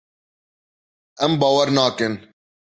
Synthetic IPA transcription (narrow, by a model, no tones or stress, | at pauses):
ɛmbɑːwɐɾnɑːkɨn